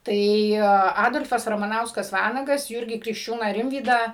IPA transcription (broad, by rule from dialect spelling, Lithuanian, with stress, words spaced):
ˈtɐɪ ˈɑːdoːlʲfɐs rɐmɐˈnɐʊskɐs ˈʋɑːnɐɡɐs ˈjuːrʲɡʲiː krʲɪkʃʲˈt͡ʃʲuːnɑː ˈrʲɪmʲʋʲiːdɑː